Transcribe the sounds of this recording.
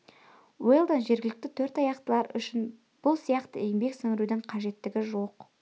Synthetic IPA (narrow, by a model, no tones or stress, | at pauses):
welˠd̪ənʒe̞ɾɡʲɪlɪk̚t̪ɪt̪ʰɵɾt̪ɑjɑqt̪əlˠɑɾʏ̰ʃɪn | b̥ʊlˠsijɑqt̪əeɪmbe̞ksɪŋɪɾud̪ɪɴqʰɑʒe̞t̪ːɪɡʲɪʒo̞q